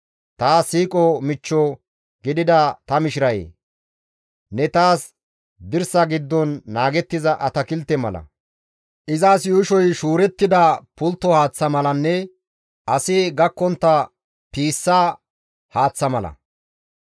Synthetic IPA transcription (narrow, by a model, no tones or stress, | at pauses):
t̪aːsiːkʼɔmɪt͡ʃːɔ | ɡɪd̪ɪd̪ɐt̪ɐmɪʃɪɾɐjḛː | nɛt̪aːs | d̪ɪɾsɐɡɪd̪ːɔnːaːɡɛt̪ːɪzɐʔɐt̪ɐkɪlt̪ɛmɐ̰lɐ̰ | ʔɪzaːsjʊʃɔjʃuːɾɛt̪ːɪd̪ɐpʊlt̪ːɔhaːt͡sːɐmɐlɐnːɛ | ʔɐsɪɡɐkːɔnt̪ːɐ | piːsːaː | haːt͡sːɐmɐlɐ̰